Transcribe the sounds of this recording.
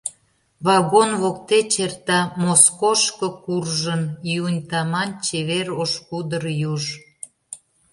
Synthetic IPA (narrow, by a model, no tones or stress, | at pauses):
βɑɣonβok̚t̪et͡ɕert̪ɑmoskoʃkəkurʒəniunʲt̪ɑmɑnt͡ɕeβeɾoʃkud̪ərjuʒ